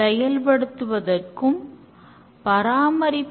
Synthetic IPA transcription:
ɛjɐlpɐɽɯt̪ːɯʋɐðɐrkɯm | pɐɾaːmɐɾɪpː

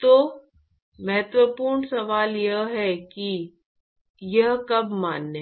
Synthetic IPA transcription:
t̪oː | mɐɦət̪ʋəpuːɾɳsɐʋaːljɐɦɦɛki | jɐɦkɐbmaːnːe

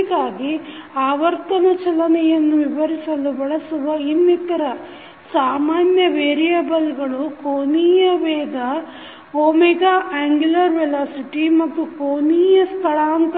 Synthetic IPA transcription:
ɡaːɡiaːʋɐɾt̪ɐnɐt͡ʃɐlɐnɛjɐnːuʋiʋɐɾisɐlubɐɭɐsuʋɐinːit̪ɐɾɐ | saːmaːnjɐʋeːɾijabɐlɡɐɭukoːniːjɐʋɛːd̪ɐ | oːmiɡɐaːŋɡulɐɾʋɛlaːsiʈimɐt̪ːukoːniːjɐst̪ʰɐɭaːnt̪

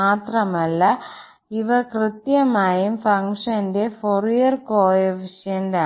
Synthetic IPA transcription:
aːt̪ɾɐmɐlːɐ | ɪʋɐkɾɪt̪jɐmaːjɯmfɐŋkʂɐnɖefɔɾijɐɾkoːjɐʋɪʂɐjɐnɖɐ

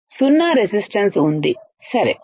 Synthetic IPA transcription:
sunːaːɾesisʈɐnsund̪i | sɐɾḛ

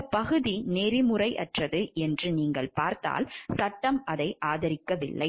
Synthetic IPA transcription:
pɐɣɯðineːɾɪmɯrɐɪʔɐ̰ʈrɐðɯʔɛndrɯniːŋɡɐɭpaːɾt̪a̰ːlsɐʈːɐmɐðɐɪʔaːðɐɾɪkːɐʋɪ̰ɭːɐɪ

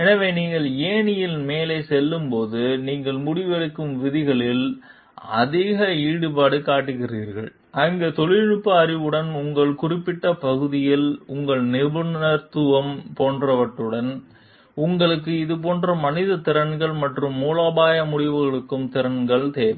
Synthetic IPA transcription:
ɛnɐʋeːniːŋɡɐɭeːnɪjɪlmeːleːsɛlːɯmpoːðɯniːŋɡɐɭmʊɽɪʋɐɾɯkːɯmʋɪðɪɣɐɭɪl | ɐ̰ðiːɣɐiːɽɯpaːɽɯkaːʈːɯɣɪriːɾɣɐ̰ɭ | ʔɐŋɡet̪ɔɭɪɻɯpːɐɐɾɪʋɯɽɐnʊŋɡɐɭkʊrɪpːɪʈːɐpɐɣɯðɪjɪlʊŋɡɐɭnɪʋɯnɐɾt̪ɯʋɐmpoːndrɐʋɐʈːɯɽɐn | ʊŋɡɐɭɯk̬ːɯɪðɯpoːndrɐmɐnɪðɐt̪ːɪɾɐnɡɐɭmɐʈrɯmːuːlaːbaːjɐmʊɽɪʋɯɣɐɭɯkːɯmt̪ɪɾɐnɡɐɭt̪eːʋɛ

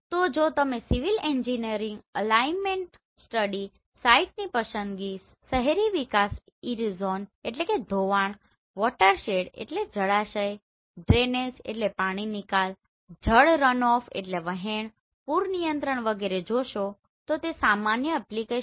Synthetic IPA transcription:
t̪od͡ʒot̪əmesiʋileɲd͡ʒiniəɾĩŋɡəlainmeɳʈ | sʈəɽi | saiʈ̚nipəʃənd̪ɡi | səɦeɾiʋikas | iɾizoneʈ̬leked̪ʱoʋaɳ | ʋɔʈəɾʃeɽḛʈled͡ʒəɭaʃəj | ɖɾened͡ʒḛʈlepaɽ̃inikal | d͡ʒʱəɭɾənɔfḛʈleʋəɦeɳ | puɾnijənt̪ɾəɳ̃ʋəɡeɾed͡ʒoʃo | t̪ot̪esamanjəɛplike

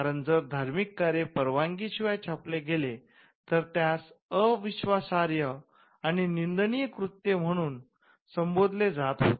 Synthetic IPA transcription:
aɾənd͡zəɾd̪ʱaɾmikːaɾepəɾʋaŋɡiɕiʋajt͡ɕʰapleɡele | t̪əɾt̪jasəʋiɕʋasaɾjə | añinind̪nijəkɾut̪ːem̤əɽ̃uːn | səmbod̪ʱled͡zat̪ɦo

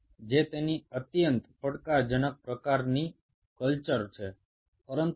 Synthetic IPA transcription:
d͡ʒet̪eniət̪jənt̪pəɽkad͡ʒənək̚pɾəkaɾni | kəlt͡ʃəɾt͡ʃʰe | pəɾənt̪

